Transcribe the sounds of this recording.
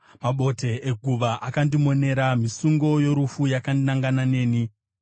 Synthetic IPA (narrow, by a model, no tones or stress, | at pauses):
maɓo̞te̞ʔːɡʱuʋaʔakandimo̞ne̞ɾamisuŋɡo̞jo̞ɾufujakandnaŋɡanane̞ːni